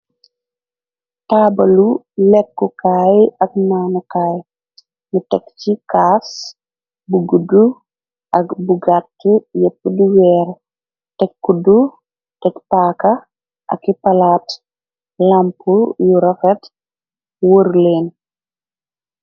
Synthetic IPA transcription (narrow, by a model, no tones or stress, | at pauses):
tabɐlu | lɛkːukaːjɐk̚naːnukaːj | mutɛkt͡ʃikas | buɡudu | ɐkbuɡatːujəpːuduwɛːɾ | tɛkːudu | tɛkpakɐ | ʔɐ̰kːipɐlat | lampujuɾɔfɛt | wəɾleːn